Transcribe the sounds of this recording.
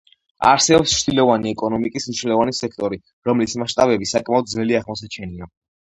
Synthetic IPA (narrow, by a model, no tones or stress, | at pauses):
a̰ɾsɛɔpst͡ʃʰd̪ilɔvaniɛkʼɔnɔmikʼisniʃnɛlɔvanisɛk̚ʰt̪ʼɔɾi | ɾɔmlismaʃt̪ʼabɛbisakʼmaɔd̪̚zvɛliaʁmɔsat͡ʃʰɛnia